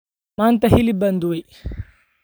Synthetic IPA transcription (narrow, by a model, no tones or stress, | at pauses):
mant̪ɐɦilibɐnd̪uij